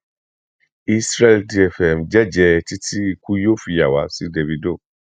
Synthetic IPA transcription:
i˧sɾɛ˧ldi˧ɛ˧fɛ˨m˨d͡ʒɛ˦˨d͡ʒɛ˧ti˦ti˦i˧ku˦jo˦˨fi˧ja˨wa˨˦si˦de˧vi˧do˦˨

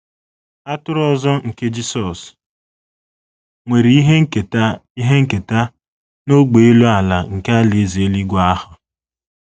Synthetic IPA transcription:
a˦tʊ˦ɾɔ˦zɔ˦ŋ̩˨ke˦d͡ʒi˦sɔ˨s | ŋʷe˨ɾi˨˦i˦ɦe˦ŋ̩˦ke˨ta˦i˦ɦe˦ŋ̩˦ke˨ta˦ | no˦ɡ͡be˨e˦lu˦a˨la˨ŋ̩˨ke˦a˦le˨˦ze˦li˦ɡʷa˦hʊ˨

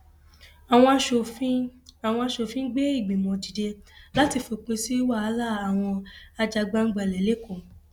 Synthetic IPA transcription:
a˨w̃ɔ̃˧ʃo˨fi˦a˨w̃ɔ̃˧a˧ʃo˧˨fĩ˦ɡ͡be˦i˦˨ɡ͡bĩ˨mɔ̃˧di˨de˧la˦ti˧fo˧k͡pe˧si˦wa˦˨a˨˦la˦˨a˨w̃ɔ̃˧a˧d͡ʒa˧ɡ͡ba˦n̩˦ɡ͡ba˦˨lɛ˨le˦kõ˦˨

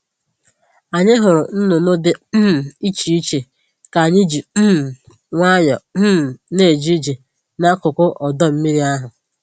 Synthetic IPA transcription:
a˨ɲɪ˦ɦʊ˨ɾʊ˨n̩˦nʊ˨no˦dɪ˨˦m̩˨i˦t͡ʃi˨i˦t͡ʃe˨ | ka˨ɲɪ˦d͡ʒi˨m̩˦m̩˨ | ŋʷa˦ɲɔ˨m̩˦˨ne˦˨d͡ʒi˦i˦d͡ʒi˨ | na˦kʊ˨kʊ˦ʔɔ˨dɔ˦m̩˦mi˦ɾi˦a˦ɦʊ˨

